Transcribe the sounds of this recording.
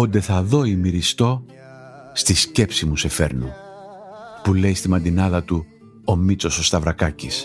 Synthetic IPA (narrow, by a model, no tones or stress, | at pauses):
ond̪e̞θɐðo̞imiɾist̪o̞ | st̪isce̞psimuse̞fe̞ɾnu | pule̞jst̪imɐnd̪inɐðɐt̪u | omit͡so̞so̞st̪ɐvɾɐkɐcis